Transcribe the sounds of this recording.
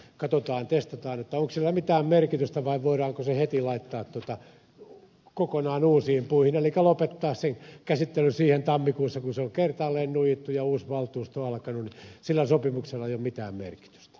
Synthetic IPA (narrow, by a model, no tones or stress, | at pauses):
kɑt̪ot̪ɑːnt̪est̪ɑt̪ɑːnet̪ːæoŋksilːæmit̪æːmmerkit̪yst̪æʋɑiʋʋoirɑːŋkosehet̪ilɑit̪ːɑːt̪t̪uot̪ɑ | kokonɑːnuːsiːmpuihinelikælopet̪ːɑːsseŋkæsit̪ːelysiːhent̪ɑmːikuːsːɑkunseoŋkert̪ɑlːeːnnuijit̪ːujɑuːsʋɑlt̪uːst̪oɑlkɑnunnisilːæsopimukselːɑjomit̪æ̰ːmmḛrki̥t̪y̥st̪æ̥